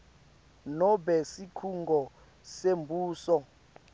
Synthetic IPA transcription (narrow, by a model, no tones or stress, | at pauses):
nɔbɛsikʰuŋɡʱɔ | sembʱuːsɔ